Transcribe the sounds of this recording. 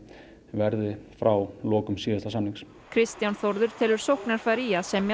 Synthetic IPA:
vɛɾðɪfɾawlɔːkʏmsiːðast̪asaniŋks | kʰɾɪst̪janθɔɾðʏɾ̥t̪ʰɛːlʏɾ̥sowhknaɾ̥faɾiːasɛmj

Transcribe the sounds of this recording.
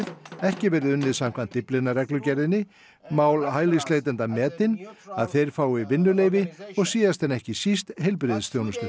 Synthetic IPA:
ðɛhcɪvɛːɾɪðʏnːɪðsam̥kʰvant̪ːplɪnːarɛklʏcɛɾðɪnːɪ | maːwlɦaːjlislejt̪ɛnt̪amɛːt̪ɪnaðθejɾ̥faːwɪivɪnːʏleːjvɪɔɣsiːðast̪ʰɛnːɛhcɪsist̪ɦɛjlp̬ɾɪðɪst̪jownʏst̪ʏ

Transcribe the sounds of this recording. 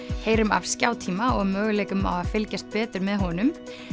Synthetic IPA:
heːjɾʏma̰v̥scaːwt̪ʰiːmaɔɣmœːɣʏleːjkʏma̰waðfɪlcast̪̚pɛːt̪ɪɾmɛðɦɔnʏm

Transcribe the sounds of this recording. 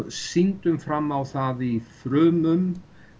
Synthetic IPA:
sint̪ʏmfɾamːawθaðiθɾœːmʏm

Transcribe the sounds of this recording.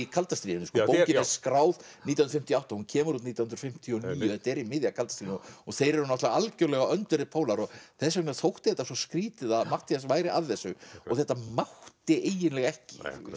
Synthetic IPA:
kʰalt̪ast̪ɾiːðɪnʏskɔpowcɪnɛskɾaːwðnit̪jahnɾfɪm̥t̪jawt̪anhuncʰɛːmʏɾut̪niːt̪awhnɾfɪm̥t̪ʰiɔniːj̪ʏθɛht̪aɛɾimɪðjakʰalt̪ast̪ɾiːnɔθejɾɛɾʏnɔat̪laaalcœlɛɣaœnt̪ʏɾɪpʰoːwlaɾɔɣθɛsɛknaθowht̪ɪθɛht̪ːasɔskɾiːt̪ɪðaðmaht̪asvaːjɾɪaðθɛsːʏɔ̰ɣθɛht̪ːamaht̪ɪʔejɪnlɛɣɛhcɪ̥

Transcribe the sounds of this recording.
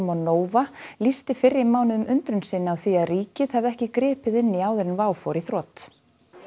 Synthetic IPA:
mɔðnoːwvalist̪ɪfɪrːɪmaːwnɪðʏmʏnt̪ɾʏnsɪnːawθiaðriːcɪðhavðɛhcɪkɾɛːpɪðɪnːɪaːwðʏɾɪnvaːwfɔɾiθɾɔːt̪

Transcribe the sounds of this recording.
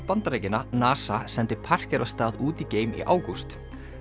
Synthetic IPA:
pant̪aɾeːjcɪnanaːsasɛnt̪ɪpʰar̥cɛɾvast̪aːðuːt̪iceːjmḭʔa̰ːwkust̪

